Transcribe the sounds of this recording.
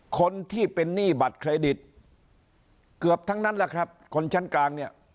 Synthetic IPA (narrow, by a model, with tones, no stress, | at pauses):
kʰo˧nt̪ʰiː˥˩pe˧nːiː˥˩ba˨˩t̪̚kʰɾa˧jdi˨˩t̪̚ | kɯ˨˩əp̚t̪ʰa˦˥ŋna˦˥nla˦˩kʰɾa˦˥p̚kʰo˧nt͡ɕʰa˦˥nklaː˧ŋni˥˩ɐ